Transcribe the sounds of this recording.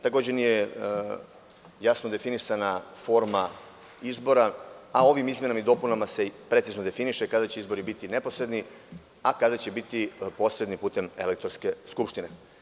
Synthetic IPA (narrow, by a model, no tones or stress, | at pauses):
t̪ako̞ːd͡ʑenije | jasnod̪e̞finisanafo̞ɾma | izbo̞ɾaao̞ʋimizmʲje̞namid̪o̞punamase̞pɾe̞t̪siznod̪e̞finiʃekad̪at͡ɕeizbo̞ɾibit̪ine̞po̞sɾe̞d̪ni | akad̪at͡ɕe̞bit̪ipo̞sɾed̪nipuːt̪e̞me̞̰lek̚t̪o̞ɾske̞skupʃt̪ine̞